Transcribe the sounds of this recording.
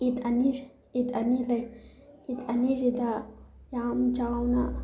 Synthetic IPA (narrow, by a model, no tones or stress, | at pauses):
it̪ɐniʃ | it̪ɐnilɐj | it̪ɐnid͡ʒid̪ajaːmd͡ʒaːwna